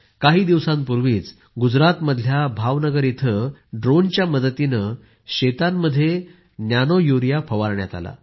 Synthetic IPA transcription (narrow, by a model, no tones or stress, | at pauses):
kaɦiːd̪iʋsãmpuɾʋiːt͡s | ɡud͡zɾat̪məd̪ʱljabʱaʋnəɡəɾit̪ʰəɖɾont͡ɕjaməd̪ət̪inə | ɕet̪amːəd̪ʱːje | njanojuɾijafʰəʋaɾɳja̰t̪a̰la̰